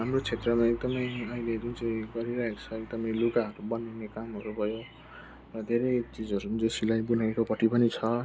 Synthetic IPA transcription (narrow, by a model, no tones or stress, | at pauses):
ɦamrot͡sʰet̪rʌmaek̚d̪ʌmʌj̃ʌiled͡zunt͡sʌj̃ɡʌɾiɾʌɦekt͡sʰʌek̚d̪ʌmʌjlukaɦʌɾubʌninekamɦʌɾubʱʌjo | rʌd̪ʱeɾʌjt͡sid͡zʌɾud͡zesilajbunaekopʌʈːipʌnit͡sʰʌ